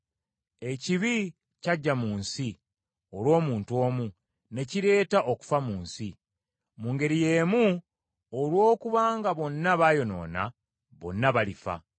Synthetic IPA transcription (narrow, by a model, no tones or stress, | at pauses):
e̞ciβi | caɟːamuːnsi | o̞lwo̞ːmuːntuo̞ːmu | ne̞ciɾe̞ːtaʔo̞ku̥famuːnsi | muːŋɡe̞ɾije̞ːmu | olwo̞ːkuβaːŋɡaβo̞nːaβaːjo̞no̞̰ːna̰ | βo̞̰nːaβalifa̰